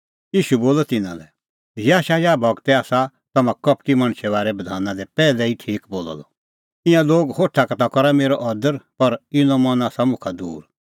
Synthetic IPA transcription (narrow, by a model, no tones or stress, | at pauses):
jiːʃuboːlɔt̪ɪnã̰lɛ | jaːʃajabʱɐɡt̪ɛaːsa | t̪ɐmãkɐpʈimɐɽ̃ʃɛβaːɾɛbɐd̪ʱaːnãd̪ɛpɛːlɛiʈʰiːkboːlɔ̰lɔ̰ | ɪ̃jãloːɡhoːʈʰakɐt̪akɔɾameːɾɔʔɔd̪əɾpɐɾɪnɔ̃mɐnaːsamʊ̃kʰad̪ṵːɾ